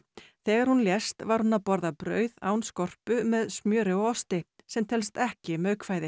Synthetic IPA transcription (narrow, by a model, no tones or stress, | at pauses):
θɛːɣaɾ̥hunljɛst̪vaɾ̥hunaðpɔɾðapɾœ̰ːɥða̰ːwnskɔr̥pʏmɛðsmjœːɾʏɔɣɔst̪ɪ | sɛmt̪ʰɛlst̪ɛhcɪmœɥkʰvaːjðɪ